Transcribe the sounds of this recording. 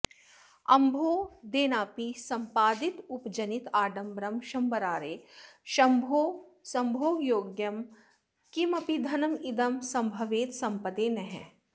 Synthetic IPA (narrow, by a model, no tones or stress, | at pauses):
ɐ̰mbʱoːd̪eːnaːpisɐ̃mpaːd̪it̪upd͡ʒɐnit̪aːɖɐmbɾɐmʃɐmbɐɾaːɾeːʃɐmbʱoːsɐmbʱoːjoːɡjɐm | kimɐpid̪ʱɐnɐmid̪ɐmsɐ̃mbʱɐʋeːt̪sɐ̃mpɐd̪eːnɐɦɛ̰̃